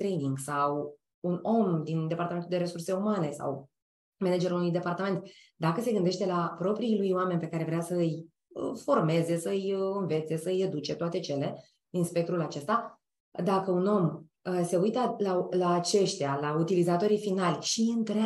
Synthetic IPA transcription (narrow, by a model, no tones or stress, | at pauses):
t̪ɾejniŋɡsaw | uno̞md̪ind̪e̞paɾrt̪ament̪uld̪eɾe̞surse̞umane̞sa̰w | mened͡ʒeɾunujd̪e̞part̪ame̞nt̪ | d̪akəse̞ɡɨnd̪e̞ʃt̪e̞lapɾo̞pɾiːlujowame̞nʲpe̞kaɾe̞vɾeasəɨj | fo̞rme̞ze̞səɨjɨnve̞t̪se̞səɨjed̪ut͡ʃe̞t̪oat̪e̞t͡ʃe̞le̞ | inspek̚t̪ɾulat͡ʃe̞st̪a | d̪akəuno̞m | əse̞ujt̪əlalaːt͡ʃe̞ʃt̪ealaut̪ilizat̪o̞ɾijfinalʲʃiɨnt̪ɾe